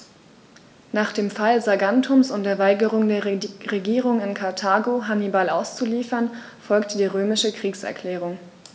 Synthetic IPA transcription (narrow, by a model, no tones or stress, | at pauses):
naːχd̥eːmfalzaɡantʰʊmsʊntd̥eːɐvaɪɡəʁʊŋdeːɐʁeɡiːʁ̞ʊŋɪnkʰaɐtʰaːɡoɦanibalʔaʊst͡suliːfɐn | fɔlktəd̥iːʁøːmɪʃəkʁ̥iːksɛ̰ɐkʰl̥ɛːʁ̞ʊŋ